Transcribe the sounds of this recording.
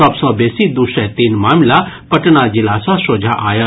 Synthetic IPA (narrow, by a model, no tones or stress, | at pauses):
ɔbsɔːbeːsid̪uʃɛ̃t̪iːnmaːmla | pəʈnad͡ʒɪlaːsasoːd͡ʒʱaʔaːja